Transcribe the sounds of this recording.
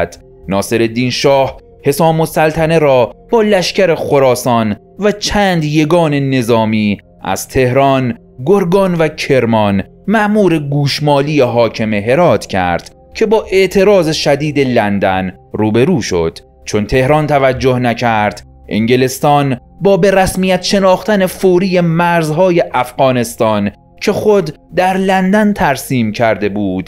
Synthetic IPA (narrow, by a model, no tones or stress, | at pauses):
d̪̥ | nɒːse̞ɾe̞d̪iːnʃɒːh | he̞sɒːmosælt̪ʰæne̞ɾɒːb̥ɒːlæʃcæɾe̞xo̞ɾɒːsɒːn | væt͡ʃʰæːnd̪je̞ɡɒːne̞ne̞zɒːmiː | ʔæ̰z̥t̪ʰe̞hɾɒːn | ɡoɾɡɒːnvæcʰe̞ɾmɒn | mæʔmuːɾe̞ɡuːʃmɒːliːjeɦɒːcʰe̞meɦe̞ɾɒːt̪ʰcʰæ̰ɾd̪̥ | cʰe̞bɒːʔe̞ʔt̪ʰe̞ɾɒːzeʃæd̪iːd̪elænd̪æ̰n | ruːbe̞ɾuːʃo̞̰d̪̥ | t͡ʃʰo̞nt̪ʰe̞hɾɒːnt̪ʰævæd͡ʒːohnæcʰæɾd̪̥ | ʔḛŋɟelest̪ɒːnbɒːbe̞ɾæsmiːjæt̪ʃe̞nɒːxt̪æne̞foːɾiːjemæɾzɦɒːje̞ʔæfɣɒːne̞st̪ɒːn | cʰe̞xod̪ːæɾlænd̪ænt̪ʰæɾsiːmcʰæɾd̪e̞buːd̪̥